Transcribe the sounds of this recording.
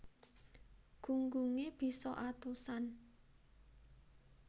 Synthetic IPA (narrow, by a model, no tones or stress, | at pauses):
ɡ̥uŋɡuŋeb̥i̤sɔʔat̪usan